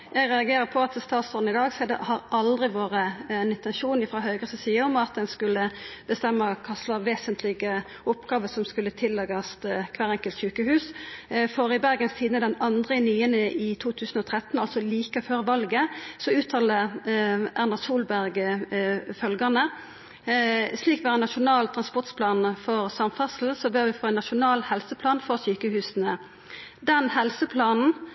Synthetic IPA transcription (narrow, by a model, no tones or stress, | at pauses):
jæɪɡʁɛɑɡeːɾəpʰɔɑt̪ʰːɪst̪ɑːt̪sɔd̪nɪd̪ɑːɡsɛd̪ɛ̰hɑɾʔɑld̪ʁɪʋoːʁəɛnɪnt̪ɛnʃuːnɪfɾɑːɦœʏɡəsɔsiːəɾɔmɑt̪̚d̪ɛnskʉlːəb̥əst̪ɛmːɑkʰɑslɑʋeːsənt̪lɪɡə | ʊpɡɑːʋəsɔmskʉlːət̪ʰɪlːɛɡɑst̪kʰʋæːʁɛŋkəlt̪çʉːkəhʉːsfɔɾɪbæʁɡənst̪ʰiːd̪nəd̪ɛnɑnd̪ʁəɪnyːənəʔɪt̪ʰuːt̪ʰʉːsn̩ɔːt̪ʰʁɛt̪n̩ɑlsɔliːkəføːʁʋɑlɡəsɔʉːt̪ʰɑːlə | ʔæʁnɑʁsuːlbæʁɡ | fœlɡɑnə | sliːkʋæːʁənɑʃʊnɑːlt̪ʰʁɑnspɔʁʈspʰlɑːnfɔʁsɑmfɑsl̩sɔbøːʁʋɪfʁoːɛnːɑʃʊnɑːlhɛlsəpʰlɑːnfɔʁsyːkəhʉːsənə | d̪ɛnhɛlsəpʰlɑːnn̩